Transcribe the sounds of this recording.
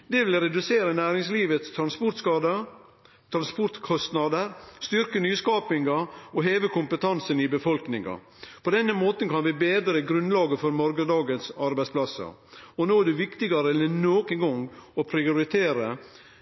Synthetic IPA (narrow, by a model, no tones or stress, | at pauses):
d̪ɛʋɪlɾɛd̪ʉseːɾənæːɾɪŋsliːʋət̪st̪ʰɾɑnspɔʈ̪skɑːd̪ə | t̪ʰɾɑnspɔʈ̪kʰɔst̪nɑd̪əɾst̪ʏɾkənyːskɑːpɪŋɡɑɔɦeːʋəkʊmpət̪ʰɑnsənɪbəfɔlknɪŋɑ̰ | pʰɔd̪ɛnːəmoːt̪ən̩kɑnʋɪbeːd̪ɾəɡɾʉnlɑːɡəfɔɾmɔɾɡəd̪ɑːɡənsɑɾbæɪspʰlɑsə̰ɔnoːæɖɛʋɪkt̪ɪɡɑɾəɛlːənoːkənɡɔŋɔpʰɾɪʊɾɪt̪ʰeːɾə